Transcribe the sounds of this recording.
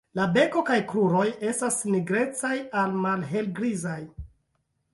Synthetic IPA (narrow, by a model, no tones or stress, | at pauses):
labe̞ko̞kajkɾuɾo̞je̞stasniɡɾe̞t͡sajalmalɦe̞lɡɾizaj